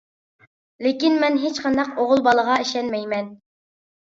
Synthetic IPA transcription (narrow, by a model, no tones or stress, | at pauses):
lekʲinmɛnɦet͡ʃqʰɑnd̪ɑqoʁʊlˠbɑlˠəʁɑeʃɛnmɛjmɛn